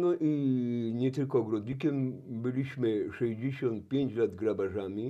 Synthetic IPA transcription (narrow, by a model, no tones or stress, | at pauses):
nɔʔiɲɛt̪ɘlkɔːɡɾɔd̪ʲɲʲikʲɛmbɘlʲiɕmɘʂɛʑd͡ʑeɕɔnt̪̚pʲjeɲt͡ɕlad̪ɡɾabaʐamʲi